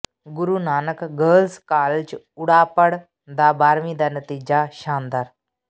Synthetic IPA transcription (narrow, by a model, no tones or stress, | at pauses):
ɡʊɾuːnaːnəkɡəːlskaːlt͡ʃ | ʊɽaːpəɽ | d̪aːbaːɾmiːd̪aːnət̪iːd͡ʒaːʃaːnd̪aːɾ